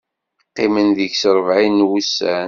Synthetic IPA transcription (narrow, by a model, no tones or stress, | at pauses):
qːimənðəçsɾˤəvʕinwusːæn